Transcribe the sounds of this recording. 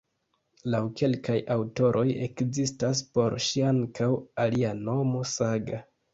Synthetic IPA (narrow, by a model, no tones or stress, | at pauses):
lawkʰe̞lkajawto̞ɾʔo̞je̞̰kzistas̬po̞ɾʃiaŋkʰawaliano̞mo̞saɡa